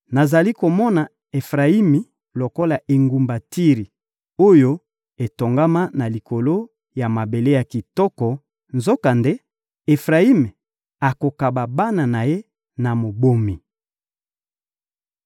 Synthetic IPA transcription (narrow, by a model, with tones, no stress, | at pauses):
na˨za˨li˦ko˨mɔ˦na˨ | e˨fʁa˨i˦mi˨ | lo˨ko˦la˨ʔe˨ŋɡu˨mba˨ti˦ʁi˨ | o˦jo˦ | e˨to˨ŋɡa˦ma˦na˨li˨ko˨lo˦ | ja˨ma˨be˨le˦ja˨ki˨tɔ˦kɔ˨ | nzo˦ka˨nde˦ | e˨fʁa˨i˦me˨ | a˨ko˨ka˨ba˨ba˦na˨na˨je˦ | na˨mo˨bo˦mi˨